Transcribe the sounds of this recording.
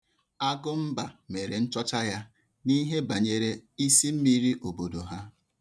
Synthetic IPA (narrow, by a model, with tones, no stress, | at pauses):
a˦ɡʊ˦m̩˦ba˨me˨ɾe˨n̩˦t͡ʃɔ˦t͡ʃa˦ja˦ | ni˦ɦe˦ba˨ɲe˨ɾe˦i˦si˦m̩˦mi˦ɾi˦ʔo˨bo˨do˨ɦa˦